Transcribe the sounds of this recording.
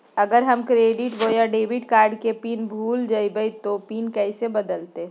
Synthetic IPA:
əɡəɾɦəmkɾeːɖiʈbojaɖeːbiʈkaːɾɖkepiːnbʱuːld͡ʒaibəjt̪opiːnkɛɪsebəd̪əlt̪e

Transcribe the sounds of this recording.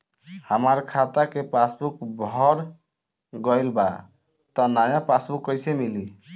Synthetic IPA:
həmaɾkʰat̪akepasbukbʱɔɾ | ɡɔjlba̰ | t̪ɔnajãpasbukːɔjsemili

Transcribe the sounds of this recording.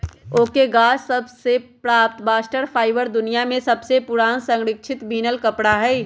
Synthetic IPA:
oːkeɡaːssɐbsepɾaːp̚t̪baːsʈəɾpʰaːɪʋəɾd̪ʊnijamẽsɐbsepʊɾaːnsɐ̃ŋɡɾɪkʃʰɪt̪biːnəlkɐpɽaɦɛː

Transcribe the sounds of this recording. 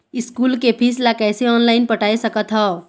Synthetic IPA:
ɪskuːlkepʰislakɛːseɔːnlaːɪnpəʈaːesəkət̪ɦɔː

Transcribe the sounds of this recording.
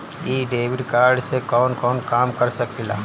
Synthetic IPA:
iːɖeːʋɪɖkaːɾɖsekɔːnkɔːnkaːmkɐɾsɐkilaː

